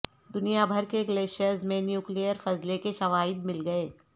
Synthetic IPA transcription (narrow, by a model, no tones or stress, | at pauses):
d̪ʊnijabʱəɾkeɡleːʃiəɾzmẽnjuːklijəɾfɐzlekeʃɐʋaːɪd̪̚mɪlɡɐeː